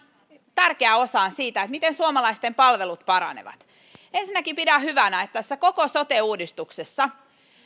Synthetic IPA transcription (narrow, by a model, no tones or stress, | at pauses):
t̪ærkeæosɑːnsiːt̪æet̪mit̪ensuomɑlɑist̪empɑlʋelut̪pɑɾɑ̰nḛʋɑ̰t̪ | ensinːækipidæhyʋænæet̪ːæsːækokosot̪euːdist̪uksesːɑ